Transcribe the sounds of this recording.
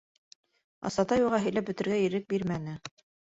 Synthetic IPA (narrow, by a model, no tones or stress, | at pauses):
ɑ̰sɑt̪ɑjuʁɑɦɘ̆jlæp̚bɵ̆t̪ɘ̆ɾɡæiɾɘk̚biɾmænɘ